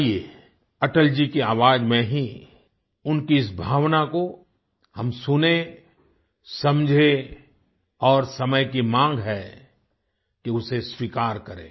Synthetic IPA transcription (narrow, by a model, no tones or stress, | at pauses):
ie | ɐʈəld͡ʒikeaːʋaːd͡ʒmẽɦi | ʊnkiɪsbʱaːʋnako | hɐmsʊne | sɐmd͡ʒʱe | ɔːɾsɐməjkimãːŋɡɦɛ | keʊseswiːkaːɾkɐɾḛ̃ː